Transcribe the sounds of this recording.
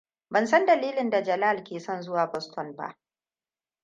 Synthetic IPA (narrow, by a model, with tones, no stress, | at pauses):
bɐ˨ns̬ɐ˦ndɐ˨liː˦lɪ˨nda˨d͡ʒɐ˨laː˦˨lkʲeː˨sɔ˦nzʊ˦waː˨bɔ˦stɔ˦˨nba̰˦ʔ